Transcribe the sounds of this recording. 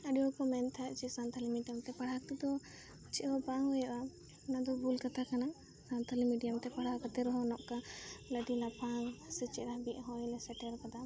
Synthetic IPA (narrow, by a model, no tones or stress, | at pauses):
əɖijɔkɔmɛnt̪ʰat͡ʃisant̪ʰalimiɖijamt̪ɛpaɽ̤ak̚t̪ɛd̪ɔ | t͡ʃiʔɦɔpaŋhɔjaʔa | nad̪ɔbulkat̪akana | sant̪ʰalimiɖijamt̪ɛpaɽ̤akat̪ɛɾɔɦɔnɔʔkaləɖilapaŋsɛt͡ʃɛɾaɦbiʔɦɔjlɛsɛʈɛɾkad̪a